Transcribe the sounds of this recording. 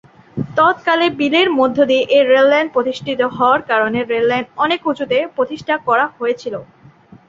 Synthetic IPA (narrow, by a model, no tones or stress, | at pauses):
t̪ɔt̪kalebileɾmod̪ʱːod̪ieʔeɾellɛɳɖ̚pɾot̪iʃʈʰit̪oɦɔoaɾkaɾoneɾelːɛɳɖɔnekud͡ʑut̪epɾot̪iʃʈʰakɔɾaɦojet͡ɕʰilo